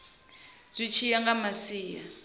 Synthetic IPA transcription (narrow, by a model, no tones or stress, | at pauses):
z̥ʷit͡ʃʰijaŋɡamasiːja̰